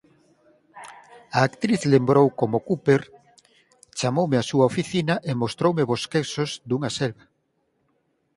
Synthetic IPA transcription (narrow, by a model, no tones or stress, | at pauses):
aːkt̪ɾiθlembɾowkomokupeɾ | t͡ʃamowmɪasuaofiθinaʔemost̪ɾowmeβoskesozd̪uŋaselβa